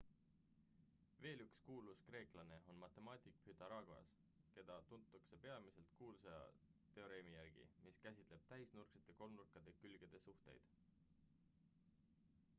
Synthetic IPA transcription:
ve̞ːlykskuːluskre̞ːklɑne̞o̞nmɑt̪ːˑe̞mɑːt̪ʲˑikphyt̪ɑɾɑɡ̥oɑ̰s | ke̞d̪̥ɑt̪unt̪ːˑukse̞pe̞ɑmise̞lt̪kuːlsejɑ̰ | t̪e̞o̞ɾeːmijæɾɡ̥ḭmiskæsʲit̪ˑle̞b̥̚t̪æɦisnurkset̪ːˑe̞ko̞lnurkːˑɑd̪̥e̞kylɡ̥e̞d̪̥e̞suht̪e̞̰jd̪̥

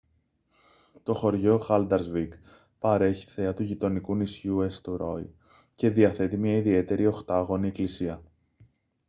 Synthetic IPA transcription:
t̪o̞xo̞ɾʝo̞xɐld̪ɐɾzviɡ | pɐɾe̞çi̥θe̞ɐt̪uʝit̪o̞nikunisçuest̪oɾo̞j | ce̞ðiɐθe̞t̪imɲɐiðie̞t̪e̞ɾʔio̞xt̪ɐɣo̞nie̞klisiɐ

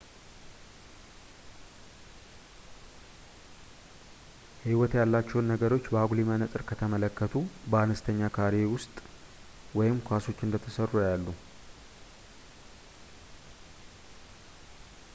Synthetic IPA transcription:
hiwɔt̪jalːat͡ʃːɛwnːəɡəɾo̞t͡ʃːbəaɡlimanət̪ʼɨɾkʰət̪ʰəmələkːət̪ʰubəanəst̪ʰəɲːakʰaɾewʊst̪ʼ | wɔjɪmkʰʷaso̞t͡ʃːɨnd̪ət̪ʰəsərːujalːu

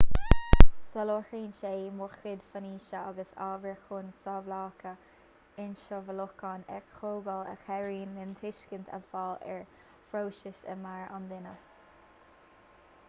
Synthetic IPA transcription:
səloːhɹiːnʃeːmʊxɪd̪faniːʃəa̰ɡəsɑ̰ːɡɾəxʊnsɑvlaːkʰə | ɪnʃəvəlʊkɑnɛkxoːɡələ̰xɛɹiːnːɪnt̪ʰɪʃkənt̪ʰə̰falɛ̰ɹ | fɾoːʃɪʃə̰maɹa̰nd̪ɪnə

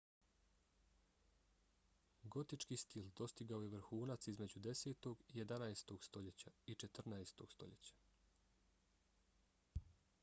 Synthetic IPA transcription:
ɡo̞t̪it͡ʃkiːst̪ild̪o̞st̪iɡaojeʋr̩xuːnat̪sizme̞d͡ʑud̪e̞seːt̪o̞ɡije̞d̪anaest̪o̞ɡ̥st̪o̞ʎe̞t͡ɕait͡ʃe̞t̪rnaest̪o̞̰ɡ̥st̪o̞̰ʎe̞̰t͡ɕḁ

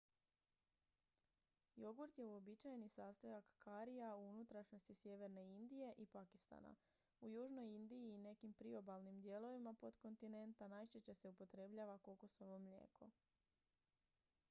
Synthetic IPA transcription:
jo̞ɡuɾt̪je̞uo̞bit͡ʃajnisaːst̪ojakkaɾijauunut̪ɾaʃno̞st̪isje̞ʋe̞ɾne̞ind̪ije̞ʔipaki̥st̪a̰ːna̰ | ujuːʒno̞jind̪ijiːne̞kimpɾio̞balnimd̪je̞lo̞ʋimapo̞d̪ko̞nt̪ine̞nt̪anaːjʃet͡ɕese̞upo̞t̪ɾe̞ːbʎaʋako̞koso̞ʋo̞mʎḛːkʰo̞

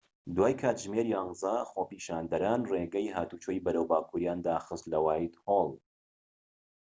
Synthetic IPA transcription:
d̪waːjkʰaːt̪ʒmeɾijɑŋzɑːxoːpiːʃaːnd̪ɐɾaːnreːɡɛjɦaːt̪uːt͡ʃʰojbɐɾəwbaːkʰuɾjaːnd̪aːxɨst̪lɐwaːjid̪holˠ

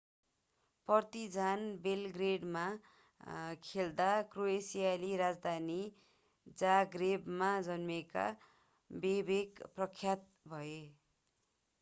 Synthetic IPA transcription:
pʌrt̪id͡zʱanbelɡreɖma | kʰeld̪akroesijaliɾad͡zd̪ʱani | d͡zaɡrebmad͡zʌnmeka̰ | bebekprʌkʰːjat̪̚ | bʱʌe

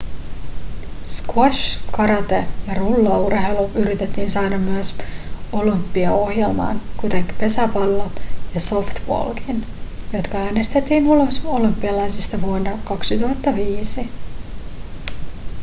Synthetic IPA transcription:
skwoʃkɑɾɑt̪ejɑrulːɑurhe̞jluʔyɾit̪e̞t̪ːiːnsɑːdɑmːyøso̞lympːiɑo̞hje̞lmɑ̰ːnkut̪eŋki̥pe̞sæpɑlːojɑso̞ft̪ʋo̰lkin | jo̞t̪kɑæːne̞st̪e̞t̪ːiːnuloso̞lympːˑiɑlɑjsist̪ɑʋuonːɑkɑksit̪uɦɑt̪ːɑʋiːsi

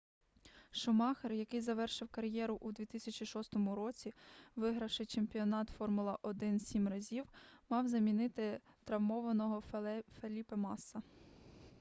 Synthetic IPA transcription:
ʃʊmɑxerjɐkɪjzɐʋɛrʃɪwkɐɾjɛɾʊʔud̪ʲʋʲit̪ɪsʲɐt͡ʃʲiʃɔst̪ɔmʊɾɔt͡sʲiʋɪɦɾɐwʃɪt͡ʃemʲpʲiɔnɑt̪fɔrmʊlˠɐʔɔd̪ɪnsʲimrɐzʲiwmɑwzɐmʲinɪt̪ɪt̪ɾɐwmɔʋɐnɔɦɔfelʲipɐmɑsːɐ

